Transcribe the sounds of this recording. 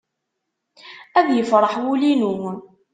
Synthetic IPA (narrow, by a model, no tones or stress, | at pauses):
æðjəfɾˤəħwulinuwən